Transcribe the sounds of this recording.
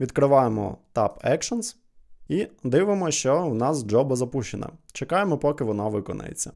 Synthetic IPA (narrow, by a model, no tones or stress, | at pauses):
ʋʲid̪kɾɪʋɑjemɔ̰t̪ɑpɛkʃɔns | id̪ɪʋemɔʃt͡ʃɔwnɑsd͡ʒɔbɐzɐpuʃt͡ʃenɐ̰t͡ʃekɑjemɔpɔkɪʋɔnɑʋɪkɔ̰nɐ̰jḛt͡sʲːɐ